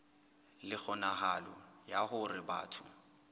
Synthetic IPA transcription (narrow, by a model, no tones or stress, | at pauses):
lɪk͡xʰɔnaɦalɔjahʊrɪba̰ːtʰʊ